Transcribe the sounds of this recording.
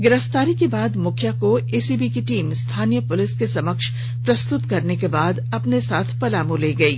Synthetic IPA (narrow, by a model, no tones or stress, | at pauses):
ɡɪɾəft̪aːɾikebaːd̪mʊkʰjakoeːsibikiʈiːmst̪ʰaːnijəpʊlɪskesɐməkʃ | pɾɐst̪ʊt̪kɐɾnekebaːd̪ɐpnesaːt̪ʰpɐlaːmũleːɡɐiː